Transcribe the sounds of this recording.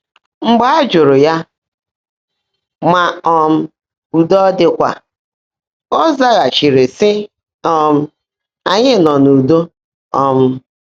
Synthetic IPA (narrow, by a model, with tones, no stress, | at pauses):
ŋ͡m̩˦ɡ͡ba˦d͡ʒʊ˨ɾʊ˨ja˦ | ma˨ɔ˦m̩˦ | u˨dɔ˦dɪ˦kʷa̰˨ | ɔ˦za˦ɣa˨t͡ʃi˨ɾe˨sɪ˦ | ɔ˦m̩˦ | a˨ɲɪ˦nɔ˨nu˨do˦ | ɔ˦m̩˦